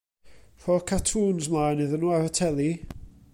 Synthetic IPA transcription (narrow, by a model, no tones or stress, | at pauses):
r̥ɔkʰatʰuːnzmlˠajnəðənuaɾətʰɛlˠi